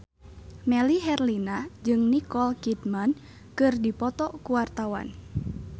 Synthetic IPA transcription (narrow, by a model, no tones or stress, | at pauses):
mɛliɦɛrlinad͡ʒɨŋnikɔlkit̪man | kɨrdipɔt̪ɔkuwart̪awa̰n